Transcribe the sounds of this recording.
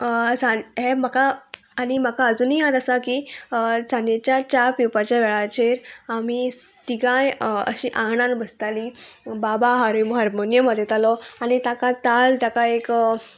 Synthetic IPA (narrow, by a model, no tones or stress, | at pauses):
sãɦemakaː | ñim̤akaəd͡zuːniɦãt̪əsakid͡zãnjet͡ɕjat͡ɕaɾpipat͡ɕjaʋɛɭat͡ɕeɾamit̪iɡãjə̰ɕiʔãɡɳãnbəst̪alibabaɦaɾimɦəɾmonjəməd̪ʱːjet̪alɔañit̪akãt̪alt̪akaek